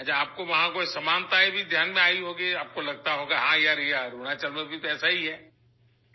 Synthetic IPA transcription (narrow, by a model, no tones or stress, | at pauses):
ɐt͡ʃʰaːp̚koʋɐɦãkoːisɐmaːnt̪aɦebʱid̪ʱjaːnmẽaːiɦoːɡiaːp̚kolɐɡ̚t̪aɦoːɡaɦãjaːɾjaːɾuːɽ̃at͡ʃɐlmẽbʱit̪ɛːsaɦiɦɛː